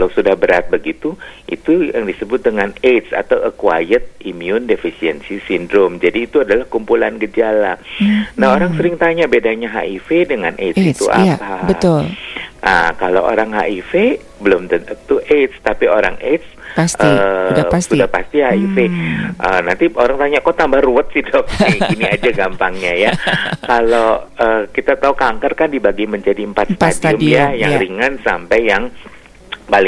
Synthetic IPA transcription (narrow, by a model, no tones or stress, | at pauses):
kalawsudahbəɾat̪̚bəɡit̪uʔḭt̪ujaŋdisəbʊt̪̚dəŋanet̪sa̰t̪awəkwa̰jət̪̚imiʊndefisiənsisindɾomd͡ʒadiːt̪uadalahkumpulankəd͡ʒalanaɦoɾaŋsəɾɪŋt̪aɲabedaɲaɦa̰ʔifedəŋanʔet̪it̪uʔa̰pabəʊlʔakalawo̰ɾaŋɦa̰ʔife | bəlʊmt̪ənət̪uʔet̪st̪apioɾa̰ŋʔet̪s | pasʔədaassudahpast̪ihaifeʔənant̪iʔoɾaŋt̪aɲakot̪ambahruət̪̚sihdɔk̚siiniad͡ʒaɡampaŋɲajakaloəːkit̪at̪aukaŋkərkandibaɡiməɲd͡ʒadiəmpat̪̚sə̥tasd͡ʒʊmjajaŋɾiŋansa̰mpajːaŋ | palɪ